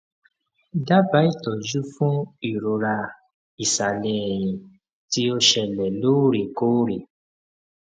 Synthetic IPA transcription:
da˦ba˨˦i˦˨tɔ˨d͡ʒu˦fũ˦i˦˨ɾo˨ɾa˧ | i˨sa˨lɛ˧˦ɛ˨j̃ĩ˨ | ti˧˦o˧ʃɛ˧˨lɛ˨lo˦ɾe˨ko˦ɾe˨

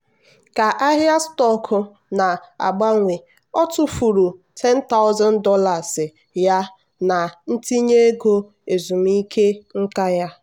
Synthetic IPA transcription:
ka˨ʔa˦ɦja˦stɔ˦kʰʊ˨ | na˨a̰˨ɡ͡ba˦ŋʷe˨ | ɔ˦tʊ˦fu˨ɾu˨tʰɛ˦n̩˦ta˦ʊ˦za˦n˦dɔ˦la˨zɪ˨ | ja˦ | na˨n̩˦ti˦ɲe˦ɡo˦ | e˨zu˨m˦i˦kʰe˦ŋ̩˦ka˦ja˦

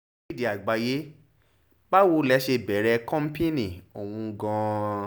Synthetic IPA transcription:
di˨a˨ɡ͡ba˧je˦ | ba˦wo˧lɛ˧˦ʃe˧bɛ˨˦ɾɛ˧kɔ̃˦m̩˦pe˦nĩ˨o˨w̃ũ˧ɡã˧

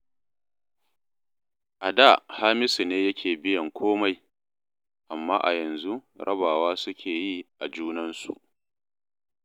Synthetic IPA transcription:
ʔa˨da˦˨haː˦mɪ˦si˨neː˦jɐ˦kʲʰeː˨bɪ˦jɐ˨ŋkʷʰoː˦ma˦j | ʔa˨mːaː˦ʔa̰˨jɐ˨nzu˦ɾʔɐ̰˦baː˨waː˦sʊ˦kʲʰeː˨ji˦ʔa˨d͡ʒuː˦nɐ˦nsṵ˨ʔ

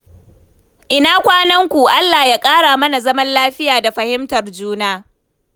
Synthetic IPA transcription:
ʔɪ˦naː˦kʷaː˦nɐ˦ŋkʷu˨ʔa˦lːaː˨ja˦kʼaː˦ɽaː˨mɐ˦na˨zɐ˦mɐ˦nlaː˦ɸɪ˦jaː˨da˨ɸɐ˨hɪ˦mtɐ˨rd͡ʒuː˦naː˦

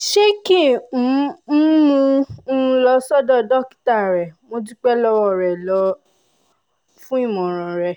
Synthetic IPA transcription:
ʃe˦ki˦˨ũ˨˦mũ˧˦˧lɔ˧sɔ˦dɔ˦˨dɔ˦˨ki̥˨ta˦˨ɾɛ˨mo˧t̬i˦k͡pɛ˦lɔ˧wɔ˦˨ɾɛ˨lɔ˧˦ | fũ˦i˦˨mɔ̃˨ɾ̃ɔ̃˨ɾɛ˨

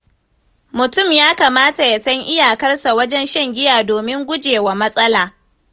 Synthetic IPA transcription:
mʊ˨tʊ˦˨mjaː˦kaː˨maː˦ta˨ja˨sɐ˦ŋʔɪ˦jaː˨kɐ˦rsa˨wɐ˦d͡ʒɛ˦nʃɐ˦ŋɡʲɪ˦jaː˨doː˨mɪ˦ŋɡʷʊ˦d͡ʒeː˨waː˨mɐ˦sʼɐ˦laː˨

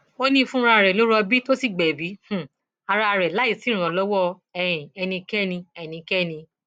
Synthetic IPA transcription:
o˦nĩ˦˧fũ˦ɾa˧a˧ɾɛ˨lo˨˦ɾɔ˧bi˦to˦si˦˨ɡ͡bɛ˨bi˨˦h̩˨ | a˧ɾa˧a˧ɾɛ˨la˨˦i˦˨si˨˦ɾ̃ɔ̃˨lɔ˦wɔ˦ | ɛ˧˨jĩ˨ɛ˧nĩ˧kɛ˦˨nĩ˧ɛ˧˨nĩ˧kɛ˦˨nĩ˧

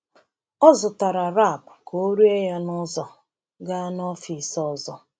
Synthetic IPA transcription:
ɔ˦zʊ˨ta˨ɾa˨ɾa˦˨pko˦ɾu˦e˦ja˦nɔ˦zɔ˨ | ɡa˦nɔ˦fi˨sɔ˦zɔ˨

